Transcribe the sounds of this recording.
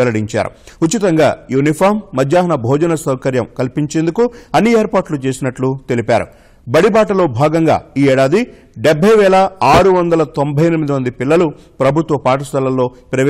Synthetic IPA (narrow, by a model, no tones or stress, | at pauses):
ɛlɐɽiɲt͡ʃa̰ːɾṵut̪ːit̪ɐŋɡaːjunipʰaːɾmːɐd͡ʒ̪jaːɦɐnɐbʱɔːd͡ʒɐnɐsɐwkɐɾjɐmkɐlipiɲt͡ʃe̞ːnd̪ukuɐnːieːɾpaːɾʈlut͡ʃe̞ːsinɐʈlut̪e̞lipa̰ːɾṵ | bɐɽibaːʈɐlo̞ːbʱaːɡɐŋɡa̰ːiːɛːɽaːd̪i | ɖebʱɐjʋɛːlɐaːɾuʋɐnd̪ɐlɐt̪o̞mbʱɐjenmid̪imɐnd̪ipilːɐlu | pɾɐbʱut̪ʋɐpaːʈ̬ɐst̪ɐlːɐlːo̞ːpɾɐʋ